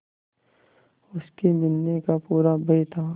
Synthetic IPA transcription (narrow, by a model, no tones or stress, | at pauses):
ʊskemɪnːekapuːɾabʱeɪt̪ʰaː